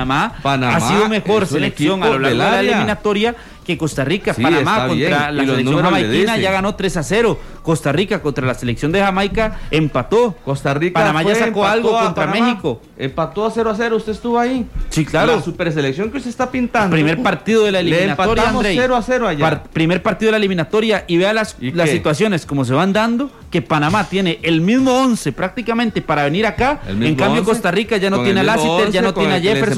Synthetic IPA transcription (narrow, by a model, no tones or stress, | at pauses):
amapanaasiðomexoɾseleksjo̞ŋalolaɣloeealaeliminat̪o̞ɾja | ke̞ko̞st̪arikasanamaont̪ɾalasseleksjoŋhamajkinaʝaɣano̞t̪ɾe̞sase̞ɾo̞ | ko̞st̪arikakont̪ɾalaseleksjo̞nd̪examajkaempat̪okost̪aripanamaʝasakoalɡokont̪ɾamexiko | empat̪oaseɾoaseɾoust̪eest̪uβoaisiklaɾosupeɾs̬eleksjoŋkeust̪est̪apint̪andpɾimeɾpaɾt̪iðoðelaeliminat̪oɾjaand̪ɾeeɾoaseɾoajaapɾime̞ɾpaɾt̪iðeaelimĩnat̪o̞ɾjaʔiβealaslassːit̪wasjo̞ne̞sko̞mo̞s̬e̞βand̪and̪o | ke̞panamat̪je̞neʔelmizmo̞onsepɾak̚t̪ikamẽnt̪e̞paɾaβeniɾakaḛlmeŋkambjokosst̪arikaʝanot̪jenealasied͡ʒannotjeneaʝefeɾ